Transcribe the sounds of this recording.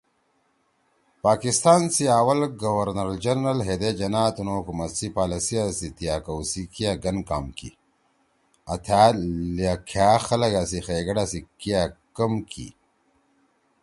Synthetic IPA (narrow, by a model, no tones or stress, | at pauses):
paːkist̪aːnsiaːwɐlɡɐwɐɾnɐɾld͡ʒɐɾnɐlɦed̪ed͡ʑɐnaːt̪unoːkumɐsipaːlɐsiasit̪ijaːkɐwsikijaɡɐnkaːmkḭ | ɐt̪ʰaːakʰaːxɐlɐɡaːsixeːɡɐɽasikijakɐmkḭ